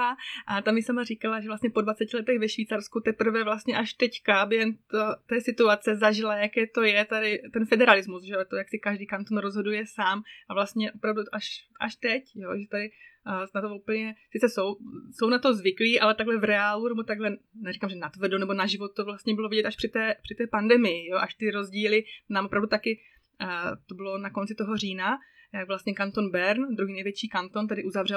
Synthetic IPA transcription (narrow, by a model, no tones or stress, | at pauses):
aʔat̪amjɪsamarikalaʒɛvlast̪ɲɛpodvat͡sɛcɪlɛt̪ɛɣvɛʃviːt͡saɾskut̪ɛpr̩vɛvlast̪ɲɛʔaʃt̪ɛckabjɛɦɛmt̪ot̪ɛːsɪt̪uat͡sɛzaʒɪlajakɛːt̪o̞jɛt̪adɪt̪ɛnfɛdɛɾalɪzmusʒɛt̪ojaksɪkaʒdiːkant̪onɾozɦo̞dujɛsaːmʔavlast̪ɲɛʔo̞pɾavduʔaʃʔaʃt̪ɛcjo̰ʒɛt̪adɪnat̪omʔupl̩ɲɛsɪt͡sɛso̞wso̞wnat̪o̞zvɪkliːʔalɛt̪aɡlɛvɾɛaːlunɛbot̪aɡlɛnɛɾikamʒɛnat̪vr̩donɛbonaʒɪvot̪̚t̪ːovlast̪ɲɛbɪlovɪɟɛt̪aʃpr̥ɪt̪ɛːpr̥ɪt̪ɛːpandɛmɪjɪjoʔaʃt̪ɪɾo̞zɟiːlɪnaːmʔopɾavdut̪akɪ | t̪obɪlo̞nako̞nt͡sɪt̪o̞ɦo̞riːna | jaɡvlast̪ɲɛkant̪onbɛɾnd̪ɾuɦiːnɛjvjɛt͡ʃiːkant̪o̞nt̪adɪʔuzavr̝ɛ